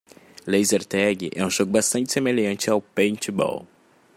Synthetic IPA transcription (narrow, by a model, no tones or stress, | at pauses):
lejzeɾt̪ɛɡɪʔɛũʒoɡʊbast̪ɐ̃nt͡ʃɪ̥semeʎɐ̃nt͡ʃɪawpẽj̃t͡ʃɪbɔ̰w